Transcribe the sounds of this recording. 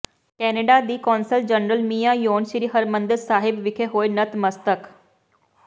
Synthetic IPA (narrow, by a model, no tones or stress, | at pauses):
kɛːneɖaːd̪iːkɔːnsəld͡ʒənɾəlmiːjajoːnʃɾiːɦəɾmə̃nd̪əɾsaːɦɪbʋɪkʰeɦoːenət̪məst̪ək